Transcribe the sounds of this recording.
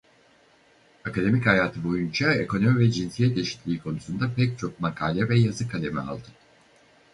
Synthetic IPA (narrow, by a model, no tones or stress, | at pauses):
akad̪e̞michajaːt̪ʰɯbo̞jund͡ʒae̞ko̞no̞mivɛd͡ʒinsijɛt̪e̞ʃi̥t̪lʲiːkʰo̞nusund̪apɛc̚t͡ʃʰo̞k̚makʰaːlʲɛvɛjazɯkʰalʲe̞mia̰lˠd̪ɯ